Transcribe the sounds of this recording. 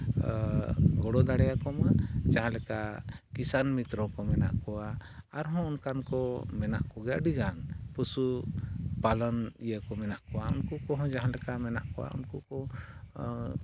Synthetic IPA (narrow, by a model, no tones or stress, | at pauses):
ɡɔɽɔd̪aɽɛjakɔmad͡ʒaɦãlɛkaʔkisanmit̪ɾɔkɔmɛna̰ʔkɔwaaɾɦɔ̃unkankɔmɛna̰ʔkɔɡɛaʔɖiɡanpusu | palɔnijəkɔmɛnaʔkɔwaṵnkukɔɦɔ̃d͡ʒaɦãlɛkamɛnaʔkɔwa̰ṵnkukɔ